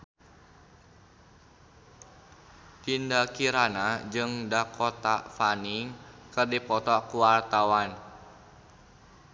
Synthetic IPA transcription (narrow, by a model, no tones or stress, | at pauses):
t̪indakiɾanad͡ʒɨŋdakɔt̪afaniŋkɨrdipɔt̪ɔkuwart̪awan